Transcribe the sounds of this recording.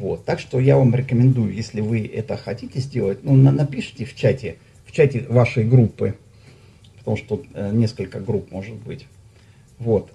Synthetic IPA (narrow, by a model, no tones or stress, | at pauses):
vo̞̰t̪ːakʂt̪o̞javamɾʲɪkəmʲɪnd̪ujʊjesʲlʲɪvɨʔɛ̰t̪əxɐtʲitʲɪzʲdʲe̞lˠətʲnunnɐpʲiʂɨ̥tʲɪft͡ɕætʲɪ | ft͡ɕætʲɪvaʂəjɡɾupːɨ | pət̪ɐmuʂt̪ot̪ut̪nʲe̞skəlʲkəɡɾupmo̞ʐɨt̪̚bɨtʲ | vo̞t̪